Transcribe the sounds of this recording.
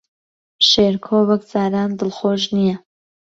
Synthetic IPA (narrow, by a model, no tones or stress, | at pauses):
ʃeːɾkʰoːvɐk̚d͡zaːɾaːnd̪ɨlχoːʒnijɛ